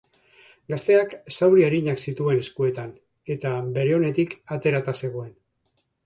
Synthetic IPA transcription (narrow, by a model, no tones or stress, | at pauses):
ɡast̪e̞aksawɾieɾiɲaksit̪ue̞ne̞skue̞t̪an | e̞t̪abe̞ɾe̞o̞ne̞t̪ikat̪e̞ɾat̪ase̞ɣ̞o̞e̞n